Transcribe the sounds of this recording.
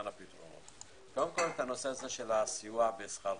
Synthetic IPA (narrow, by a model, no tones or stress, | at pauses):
napit̪ʁo̰no̰t̪ | kod̪emko̞let̪ano̞seazeʃelasijuabesχaʁ